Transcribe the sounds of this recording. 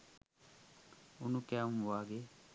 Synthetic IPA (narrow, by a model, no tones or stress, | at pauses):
unukamwaɡe